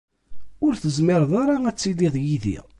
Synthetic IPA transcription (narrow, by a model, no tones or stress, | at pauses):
ʊɾθəzmɪɾˤðˤaɾaæt͡sːiliðˤjiðḭ